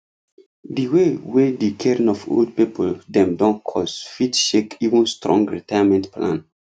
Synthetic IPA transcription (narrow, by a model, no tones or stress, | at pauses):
diwewedikʰɛɹĩnɔfo̰ld̚pipʰoldɛ̃mdɔ̃nkʰɔsfitʃekivə̃nstɾɔ̰̃ŋɡɹitajamɛ̃ntplã̰n